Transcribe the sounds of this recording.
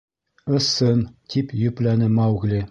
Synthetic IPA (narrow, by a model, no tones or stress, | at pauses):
ɤ̆sːɤnt̪ʰipjɵ̆plænɘmɑwɣlʲi